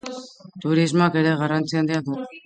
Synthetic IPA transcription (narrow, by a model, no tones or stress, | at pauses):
t̪uɾizmoake̞ɾe̞ɣarant͡siand̪iaðu